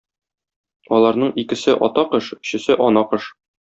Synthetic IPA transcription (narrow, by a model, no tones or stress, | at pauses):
ɒlˠɑɾnɤɴikɘ̆sɘʔɒ̰t̪ɑqɤʃɵ̥̆ɕɘ̆sɘʔɒnɑqɤʃ